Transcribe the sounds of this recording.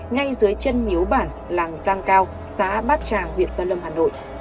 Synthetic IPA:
ŋa˧jzɨ˨˦əjt͡ɕə˧nmi˨˦əwɓaː˧˩n | laː˨˩ŋzaː˧ŋkaː˧w | sa̰ː˧˥ɓaː˦˥t̚t͡ɕaː˨˩ŋhwḭ˧˨ənsaː˧lə˧mhaː˨˩no̰˧˨jʔ

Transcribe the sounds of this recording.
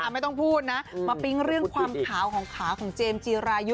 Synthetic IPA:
ʔa˨˩m˥˩jt̪ɔ˥˩ŋpʰuː˥˩t̪̚na˦˥maː˧pi˦˥ŋɾɯ˥˩əŋkʰwaː˧mkʰaː˩˦wkʰɔː˩˦ŋkʰaː˩˦wkʰɔː˩˦ŋt͡ɕeː˧mt͡ɕiː˧ɾaː˧ju˦˥

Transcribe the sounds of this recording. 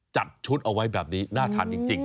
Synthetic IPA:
t͡ɕa˨˩t̪̚t͡ɕʰu˦˥t̪̚ʔa˧wa˦˥jbɛː˨˩p̚niː˦˥naː˥˩t̪ʰa̰ː˧˩nt͡ɕi˨˩ŋt͡ɕi˨˧ŋ

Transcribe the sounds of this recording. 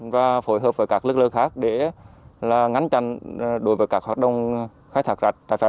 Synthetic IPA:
vaː˨˩fo˧˩jɦəː˨˩p̚vəː˨˩jkaː˦˥k̚lɨ˦˥k̚ləː˧ŋxaː˦˥k̚ɗe˧˩laː˨˩ŋa˨˦ŋ̟t͡ɕa˧˩˨ŋɗo˨˦jvəː˨˦jkaː˦˥k̚hwaː˨˩ɗə˧˩wŋ͡m | xaː˨˦jt̪ʰaː˧˥k̚za˨˩t̚t̪a̰ː˧˩jfa˧˦

